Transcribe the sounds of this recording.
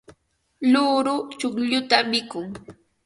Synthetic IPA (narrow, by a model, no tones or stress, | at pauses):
lʊɾʊt͡ʃʊkʎʊt̪amɪkʊŋ